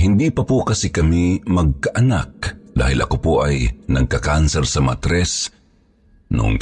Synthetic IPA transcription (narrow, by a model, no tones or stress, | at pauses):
hɪnd̪ipapokɐsikɐmimɐɡ̚kaʔanak̚d̪a̰ːhɪlʔɐ̰kopoʔajnɐɡ̚kakansɛɾsɐmat̪ɾɛs | nʊ̰ŋ